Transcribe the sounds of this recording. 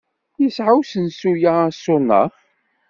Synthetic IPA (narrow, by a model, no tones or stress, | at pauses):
jəsʕawsənsujasʊnːə̰